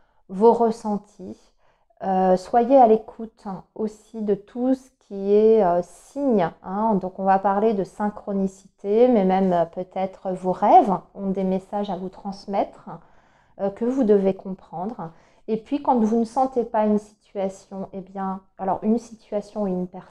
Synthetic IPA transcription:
voʁəsɑ̃t̪ʰi | øswajealekʰut̪osid̪ət̪ʰusə̥kʲʰiɛøs | iɲɛ̃d̪ɔ̃kɔ̃vapaʁled̪əsɛ̃kχɔnisi̥t̪emɛmɛmøpøt̪ɛt̪χəvoʁɛvɔ̃d̪emesaʒavut̪χɑ̃smɛt̪χ | økəvud̪əvekɔ̃pχɑ̃d̪ʁ | epɥikɑ̃t̪vunəsɑ̃t̪epaynsi̥t̪ɥasjɔ̃ʔebjɛ̃alɔ̰ʁynsit̪ɥasjɔ̃ɛynpɛʁ

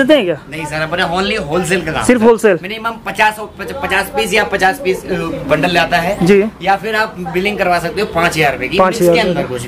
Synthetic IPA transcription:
et̪̬ẽɦɛ̃kjaːnɐɦĩsəɾɐpneɦoːnlieɦoːls̬ɛːlkɐka̰ːsɪɾfɦoːlsɛːlmɛnimãːmpɐt͡ʃaːsɔpɐpɐt͡ʃaːspiːsjapɐt͡ʃaːspiːsbɐ̃ɳɖəlaːt̪aɦɛːd͡ʒiːjafʰɪɾaːp̚bɪlɪ̃ŋɡkɐɾʋaːsɐk̚t̪eɦõpãːt͡ʃɦɐjaːɾʊpekipãːt͡ʃɦɐjaːɾeɐ̃d̪əɾko

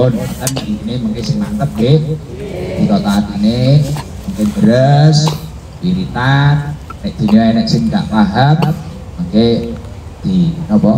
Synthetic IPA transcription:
onat̪ənd̪iineməŋkesɪŋmant̪əp̚ɡe | d̪̥ik̪ɔʔt̪aɦat̪ine | məŋked̪əɾəs | d̥iɾit̪anːɪʔ̚d̪̥i̤niwaenɛʔ̚sɪŋd̪a̰ʔt̪aɦət̪̚məŋke | d̪̥inɔpɔ

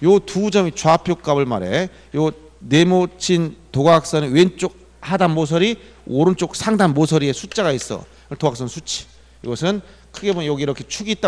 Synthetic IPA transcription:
jotud͡ʑʌmit͡ɕwapʰjok͈abɯɭma̰ɾe̞̰ | jo | ne̞mot͡ɕʰintoɡak̚s͈ʌniwent͡ɕ͈ok̚ | hadanmos̬ʰʌɾi | oɾɯnt͡ɕ͈ok̚sʰaŋdanmosʰʌɾiesʰut͡ɕ͈aɡais͈ʌ̰ | ɯtoɡak̚s͈ʌnsʰut͡ɕʰi̥ | iɡʌsʰɯn | kʰɯɡe̞boɲjʌɡiːɾʌkʰe̞t͡ɕʰuɡit͈a

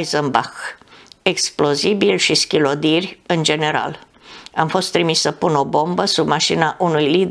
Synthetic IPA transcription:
jzəmba̰xeksplo̞zibilʲʃiskʲilo̞d̪irʲɨnd͡ʒe̞ne̞ɾa̰l | amfo̞st̪ːɾimissəpuno̞bo̞mbəsubmaʃinaʔunujlid̪

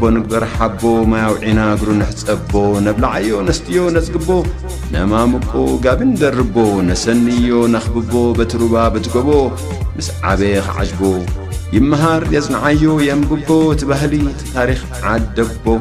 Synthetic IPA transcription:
bonɨɡ̚bɐɾħabo̞majawʕinaɡɾunɨħɨt͡sʼɐbo̞nɐβlaʕajːo̞nɐst̪ʰijo̞nɐt͡sʼɡɨbːo̞ | nɐ̰mamɨkʼoɡaβɨnd̪ɐrɨbo̞nɐsɐnːjːo̞nɐxɨbɨbːo̞bɐt̪ʰɨɾuβabɐt̪ʰɨɡoβo̞ | mɨsʕa̰βexɨ̰ʕa̰ʃbo̞ | jɪmːɐɦaɾjɐt͡sʼnʕajːo̞jɛmɡɨbːo̞ɨt̪ʰiβaɦliɨt̪ʰi̥t̪ʰaɾix | ʕad̪ɐbbo

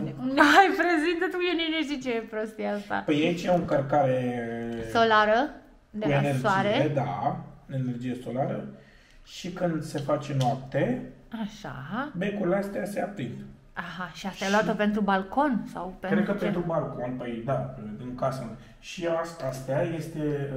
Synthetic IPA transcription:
ekumneɦajpɾezint̪ət̪ukjeneneʃit͡ʃeepɾost̪iaast̪a̰pəjait͡ʃjeoɨŋkərkaɾe̞ | solaɾə | d̪euenersd͡ʒoaiɾeed̪aene̞rd͡ʒije̞so̞laɾə | ʃikɨnd̪se̞fat͡ʃe̞noap̚t̪eaʃa̰bekulast̪ɛaseap̪ind̪ | aɦaʃiasajeloatt̪əpe̞nt̪ɾubalko̞nsawpeɾekəpent̪ɾubalkonpəjd̪aɨŋkasa | ʃiasast̪eaje̞st̪e

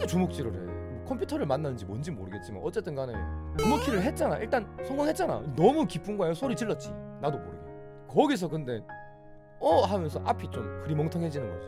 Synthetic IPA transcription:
et͡ɕumok̚t͡ɕ͈iɾɯɾḛmʌkʰʌmpʰjutʰʌɾɯɭmanːanɯnd͡ʑimwʌnd͡ʑimoɾɯɡe̞t̚t͡ɕ͈ima̰nʌtt͡ɕ͈e̞t͈ɯnkanet͡ɕumok̚t͡ɕ͈ʰiɾɯɭɦe̞t̚t͡ɕ͈anaʔiɭt͈ansʰʌŋɡonɦe̞t̚t͡ɕ͈ana̰nʌmukip͈ʰuŋɡoajosʰoɾitɯɭːʌt̚t͡ɕ͈ḭnadopoɾɯɡe | kʌɡis̬ʰʌkɯnde̞ | ʌɦamjʌnsʰʌʔapʰit͡ɕomkɯɾimʌŋtʰʌŋɦe̞d͡ʑinɯnɡʌsʰʌ

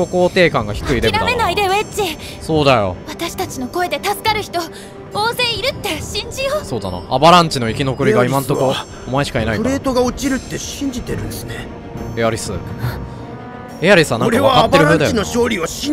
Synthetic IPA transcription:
o̞ko̞ːt̪e̞ːkãŋɡaçi̥kɯ̟id̪eɾame̞naid̪eβet͡ɕi | so̞ːd̪ajo̞̰βat̪aɕi̥t̪at͡ɕino̞ko̞e̞d̪e̞t̪asɨ̥kaɾɯ̟çi̥t̪o̞ | oːze̞ːiɾɯ̟t̪ːe̞ɕĩɲ̟d͡ʑijoso̞ːd̪a̰na̰abaɾãɲ̟t͡ɕino̞ikʲino̞kɯ̟ɾʲiɡaimãnt̪oko | omaeɕi̥kainaiɯɾe̞ːt̪o̞ɡaot͡ɕiɾɯ̟t̪ːe̞ɕɕĩɲ̟d͡ʑit̪e̞ɾɯ̟nd̪esɨne | ejaɾʲisɨ̰ | ejaɾʲisɨanaɾeβaatbeɾɯɾaɯ̃d̪jinoɕo̞ːɾʲiβaɕĩ

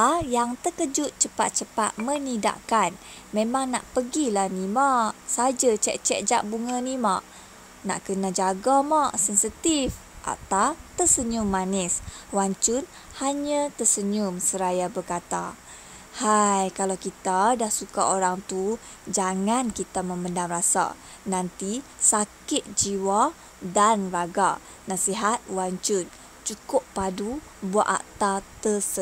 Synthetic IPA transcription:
jaŋt̪əkəd͡ʒʊt̪̚t͡ʃəpa̰t̪̚t͡ʃəpa̰t̪̚mənida̰ʔkan | mẽmaŋna̰ʔpəɡilahnimaʔsad͡ʒat͡ʃɛʔt͡ʃɛʔ̚d͡ʒaʔbuŋənimaʔ | na̰ʔkənad͡ʒaɡamaʔsɛnsit̪if | ʔa̰t̪awt̪əsəɲʊmːaniswaɲt͡ʃʊn | haɲət̪əsəɲumsəɾajabəkat̪a̰ | hajkalawkit̪adahsukaoɾaŋt̪u | d͡ʒaŋankit̪amə̃məndamrasa̰ | nant̪i | sakɪt̪̚d͡ʒiwa | danraɡa | nasiɦat̪̚waɲt͡ʃʊn | t͡ʃukʊpːadu | buaʔa̰ʔt̪at̪əsə

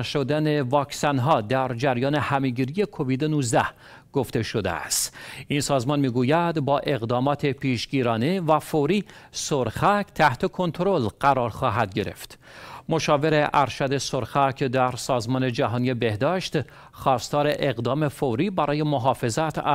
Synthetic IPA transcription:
ʃod̪æne̞vɒːksænɦɒːd̪æɾd͡ʒæɾjɒːnehæme̞ɡiːɾije̞kʰo̞viːd̪enuːzd̪æh | ɡ̥oft̪e̞ʃod̪ḛæ̰st̪insɒːzmɒnmiːɡuːjæd̪bɒːʔe̞ɣd̪ɒːmɒːt̪ʰe̞pʰiːʃɡiːɾɒːnevæfoɾiːsoɾxæct̪ʰæht̪ʰe̞kʰo̞nt̪ʰɾolɢ̥æɾɒːɾxɒːɦæd̪̚ɟe̞ɾe̞̰ft̪ | mo̞ʃɒːve̞ɾeʔæɾʃæd̪e̞soɾxækʰd̪æɾsɒːzmɒːne̞d͡ʒæɦɒːnije̞be̞hd̪ɒːʃt̪ | xɒːst̪ɒːɾe̞ʔeɣd̪ɒːme̞foɾiːbæɾʔɒːje̞moɦɒːfe̞zæt̪ʰæ

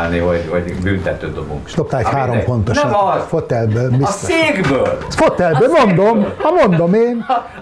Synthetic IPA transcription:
lnivɒɟvɒɟbyːnt̪ɛt̪øːd̪obṵŋkʃlop̚t̪aːlɛchaːɾo̞mfo̞nt̪oʃɒfot̪ɛlbøːlmisoiːɡbøːlfot̪ɛlbøːmond̪omɒmond̪omeːn

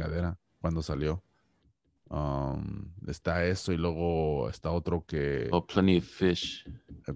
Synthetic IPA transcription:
aðe̞ɾa | kwand̪o̞saljo̞ | amest̪ae̞so̞ilwe̞ɣo̞ḛst̪ao̞t̪ɾo̞ke̞pʰlanifɪʃ

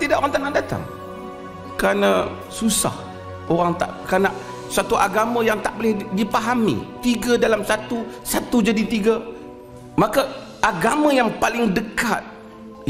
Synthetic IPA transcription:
t̪idaʔoɣaŋt̪anadat̪a̰ŋ | kɾana | susa̰h | oɾaŋt̪a̰ʔkanaʔ | sat̪uʔaɡamãjaŋt̪aʔbolɪhdipaɦamḭ̃t̪iɡadalamsat̪usat̪ud͡ʒadit̪iɡa | maka | aɡamãjaŋpalɪŋdəkat̪̚

